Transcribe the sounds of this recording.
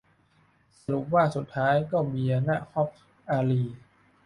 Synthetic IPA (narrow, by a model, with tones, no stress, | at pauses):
sa˧ɾu˨˩p̚waː˥˩su˨˩t̪ʰːaː˦˥jkɔː˥˩miː˧ʔa˧na˦˥hɔ˦˥p̚ | ʔaː˧liː˧